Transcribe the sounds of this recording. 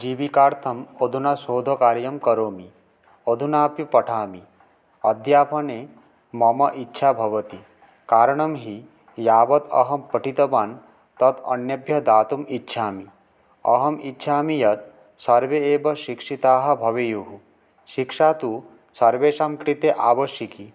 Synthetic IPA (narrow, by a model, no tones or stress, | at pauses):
d͡ʒiːʋikaːɾt̪ʰɐmod̪ʱunasoːd̪ʱokaːɾjɐmkɐɾoːmi | od̪ʱunaːpjipɐʈʰaːmi | ɐd̪jaːpʰɐne | mɐmɐʔitːʃʰabʱɐʋɐt̪i | kaːɾɐɳ̃ɐmɦi | jaːbɐt̪ɐ̰ɦɐmpɐʈʰit̪ɐbaːn | t̪ɐt̪ɐ̰njɐbjɐd̪aːt̪umitːʃʰaːmi | ɐ̰ɦɐmitːʃʰaːmijɐt̪̚ | sɐɾʋeeːbɐʃikʂit̪aːɦɐ̆bʱɐʋejuɦu | ʃikʂaːt̪u | sɐɾʋeːʃaːmkɾit̪eʔaːʋɐʃjɐki